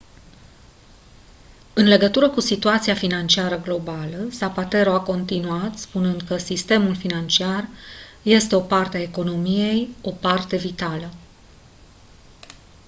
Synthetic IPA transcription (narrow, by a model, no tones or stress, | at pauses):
ɨnle̞ɡət̪uɾəkusit̪uat̪siafinant͡ʃiaɾəɡlo̞baləsapat̪e̞ɾo̞ako̞nt̪inuat̪spunɨnd̪kəsist̪e̞mulfinant͡ʃiarje̞st̪e̞o̞part̪eaeko̞no̞mije̞jo̞part̪e̞vit̪alə